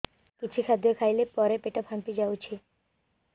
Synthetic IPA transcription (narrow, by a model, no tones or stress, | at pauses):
kit͡ɕʰikʰad̪jɔkʰajlepɔɾepeʈɔpʰhãmpid͡ʒawt͡ʃʰi